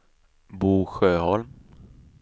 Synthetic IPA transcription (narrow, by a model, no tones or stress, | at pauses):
buːɧøːhɔlm